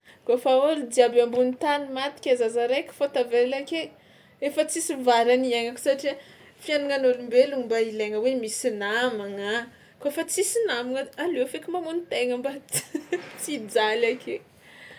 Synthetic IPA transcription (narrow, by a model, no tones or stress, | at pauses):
kofaoɾid̪iabambunit̪animat̪i̥kʲazazaɾejkʲi̥fot̪avelake | efət͡sisivaɾaniaŋaku̥saʈ͡ʂi | fianuŋanolumbeluŋimbaileŋəwemisinamaŋa | koefət͡sisinamiŋəalefekʲimamunit̪eŋəmba | t͡sid͡zalakʰe